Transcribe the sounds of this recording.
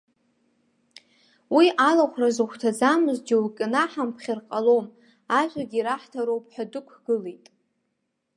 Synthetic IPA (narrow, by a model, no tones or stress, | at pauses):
wiʔalaχʷrazɨχʷtʰad͡zamɨzd͡ʒʲiwkʲʼɪnaħampʰχʲɪrqʼalo̞m | aʒʷaɡʲiɾaħtʰaɾowpʼħʷᶣadɨkʷʰɡ̥ɨle̞jtʼ